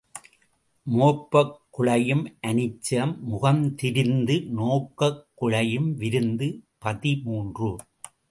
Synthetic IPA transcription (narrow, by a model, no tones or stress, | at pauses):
moːpːɐkːʊɭɐjɯmʔɐnɪt͡ʃːɐmːʊɣɐmt̪ɪɾɪnd̪ɯnoːkːɐkːʊɭɐjɯmʋɪɾɯnd̪ɯpɐðimuːndrɯ